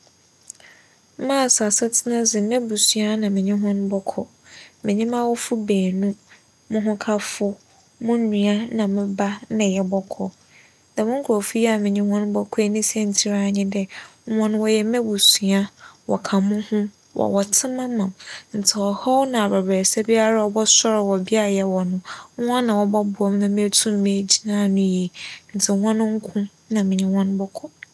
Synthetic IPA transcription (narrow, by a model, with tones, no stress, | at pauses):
mã˦˨sa˨sɛ˦tʰɪ˦nã˦d͡zɪ˨mɛ̃˦bu˨su˨a˦nã˨mɪ̃˨ɲĩ˦ɦɔ̃˦ñ˦bɔ˦kʰɔ̰˨ | mɪ̃˨ɲĩ˦mã˦wɔ˦fʊ˦beː˨nũ˦ | mʊ̃˦ɦʊ̃˦kʰa˦fʊ˦ | mʊ̃˦nũ˦a˦nã˨mɪ̃˦ba˦nɪ̃˨jɛ˨bɔ˦kʰɔ˨ | dã˨mʊ̃˦ŋ̩˦kʰɔ˨fi˦ja˨mɪ̃˨ɲĩ˦hɔ̃˦ñ˦bɔ˦kʰɔ˦e˦nĩ˦sɛ̃˦n̩˨tʰi˦ɾa˦˨ɲɪ̃˦dɛ˦ɔ̃˦ñ˦wɔ˨jɛ˨mɛ̃˦bu˨sũ˨a˦wɔ̰˨kʰa˨mʊ̃˦hʊ̃˦ | wʔɔ̰˨wɔ˨tʰɪ̃˦mã˦mã˨mn̩˨tʰɪ˨ɔ˨hɔ˦wnã˨a˨ba˨ba˨ɾsa˦bi˦a˦ɾa˦ɔ˨bɔ˦sɔ˦ɾwɔ˨bi˦a˦˨jɛ˨wɔ˨nʊ̃˦ã˦nã˨wɔ˨bɔ˦bʊ˨ɔ˦mnã˨mĩ˦e˦tʰũ˦mː˨ɪ̃˦˨d͡ʑi˨nãː˦˨nʊ̃˦je˨n̩˨t͡sʰɪ˨˦ã˦nʊ̃˦ŋ̩˦kʰʊ̃˦ | nã˨mɪ̃˨ɲɪ̃˦hɔ̃˦n˦bɔ˦kʰɔ˦